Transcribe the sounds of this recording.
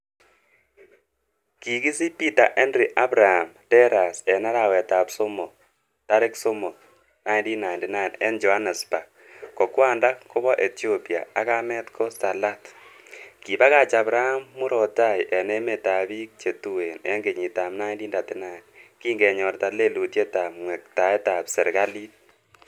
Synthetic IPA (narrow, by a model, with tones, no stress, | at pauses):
ki˨ki˦si˦pi˦ta˨ʔɛ˦nɾi˨ʔa˦bɾa˨ha˨mtɛ˦ɾa˨sɛ˨na˦ɾa˨wɛ˨ta˨bsɔ˦mɔ˨ | ta˦ɾɛ˦ksɔ˦mɔ˨ | na˦ɪndi˦na˨ɪ˨ndi˦na˦˨nɛ˦nd͡ʒɔ˨a˦nɛ˨spa˨ | kɔ˨kwa˦˨nda˦kɔ˦bɔ˦ʔe˨ti˦o˦pi˨a̰˨a˦ka˦mɛ˦t̪kʰɔ˦sa˨la˦t | ki˨ba˦ka˨t͡ʃa˨bɾa˦a˦mːu˦ɾɔ˨ta˦˨jʔɛ˨nɛ˦me˨ta˨bi˦k̚t͡ʃe˨tu˦we˨nɛ̰˦ŋɡe˨ɲi˨ta˨mna˦indi˦nda˨tɪ˦na˨ki˦ŋɡɛ˨ɲɔ˨ɾta˨le˦lu˨tje˦ta˨mŋwɛ˨k̚ta˨ɛ˦ta˨psɛ˨ɾɡa˦li˦t̚